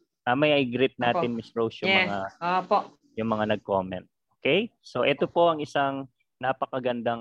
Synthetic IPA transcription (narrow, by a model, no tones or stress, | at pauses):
ʔɐmɐjʔɐjɡɾɪt̪̚naːt̪ɪnmɪsɹowsjʊŋɛmɐŋaopoʔ | jʊŋmɐŋanɐɡ̚komɛ̰̃nt̪̚ʔoːkɛjso̞ʔɛt̪opo̞ʔɐŋɪsaŋ | napɐkɐɡɐnd̪aŋ